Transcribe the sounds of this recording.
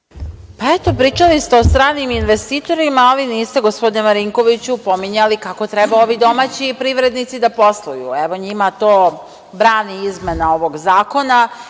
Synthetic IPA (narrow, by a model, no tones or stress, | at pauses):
paet̪o̞pɾiːt͡ʃalist̪eost̪ɾaːniminʋe̞st̪iːt̪o̞ɾimaːliniːst̪eɡo̞spod̪inemaɾiŋko̞ʋit͡ɕupo̞miɲalikako̞t̪ɾebao̞ʋid̪o̞maːt͡ɕipɾiʋɾe̞d̪nit̪sid̪apo̞slˠujṵeʋo̞ɲimat̪o̞ː | bɾaːniizme̞nao̞ʋo̞ɡzaːko̞na